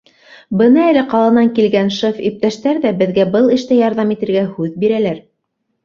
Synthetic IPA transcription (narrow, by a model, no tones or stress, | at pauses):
bɤnɑælɘqɑlˠɑnɑŋkilɡænʃɤfip̚t̪æʃt̪æɾðæbɘ̆ðɡæbɤlˠɘ̆ʃt̪æjɑɾðɑmit̪ɘ̆ɾɡæhʉðbiɾælæɾ